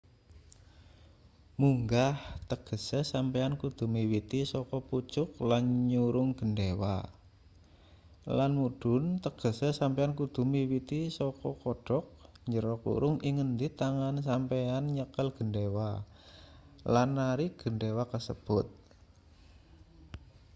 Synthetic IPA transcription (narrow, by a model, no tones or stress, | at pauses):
muŋɡaht̪əɡ̥ə̤sesampeankud̪̥ṳmiwit̪isɔkɔput͡ʃʊk̚lanɲuɾʊŋɡ̥ə̤ndewa̰ | lanmuɖ̥ʊ̤nt̪əɡ̥ə̤sesampeankud̪̥ṳmiwit̪isɔkɔkɔɖ̥ɔk̚ɲd͡ʒəɾɔkṵɾʊŋiŋənd̪it̪aŋans̬ampeanɲəkəlɡ̥əndewa | lanːaɾiɡ̥əndewakəsəb̥ʊt̪̚